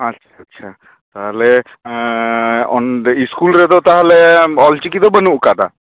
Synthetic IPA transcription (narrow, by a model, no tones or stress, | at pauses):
ɐtːʃʰatːʃʰa | t̪aɦlɛ | ɔniskulɾɛd̪ɔt̪aɦlɛɔlt͡ʃikid̪ɔbənuʔkad̪a̰